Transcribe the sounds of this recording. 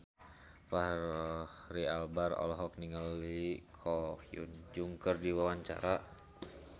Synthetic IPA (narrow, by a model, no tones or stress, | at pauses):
fah | rialbarɔ̰lɔɦɔk̚niŋəlikʰɔhiṵnd͡ʒuŋkərdiwawaɲt͡ʃa̰ɾa